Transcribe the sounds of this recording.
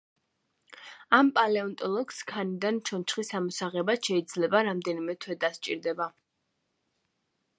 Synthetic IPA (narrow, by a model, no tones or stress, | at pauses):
ampʼalɛɔnt̪ʼɔlˠɔkskʰanid̪ant͡ʃʰɔnt͡ʃʰχisamɔsaʁɛbaʃɛid̪zlɛbaɾamd̪ɛnimɛt̪ʰwɛd̪ast͡ʃʼiɾd̪ɛba